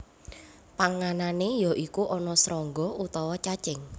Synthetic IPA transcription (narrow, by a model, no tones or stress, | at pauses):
paŋananejɔʔikuʔɔnɔsɾɔŋɡɔut̪ɔwɔt͡ʃat͡ʃɪŋ